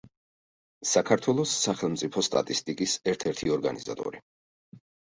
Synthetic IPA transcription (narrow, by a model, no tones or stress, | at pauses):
sakʰaɾt̪ʰwɛlˠɔsːaχɛlˠmt̪sʼipʰɔst̪ʼa̰t̪ʼist̪ʼikʼisɛɾt̪ʰɛɾt̪ʰiɔɾɡaniza̰t̪ʼɔ̰ɾi